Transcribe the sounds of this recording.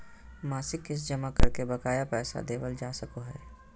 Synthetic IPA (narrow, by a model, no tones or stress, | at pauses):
maːsɪkːɪs̬d͡ʒəmakɐɾkebɐkaːjapɛːsa̰d̪eːʋəld͡ʒaːsɐkoɦɛː